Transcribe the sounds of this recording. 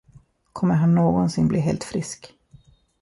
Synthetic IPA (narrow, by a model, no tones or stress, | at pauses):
kʰɔmːəɾɦanːoːɡɔnsɪnblḭːɦeːlt̪fɾɪsk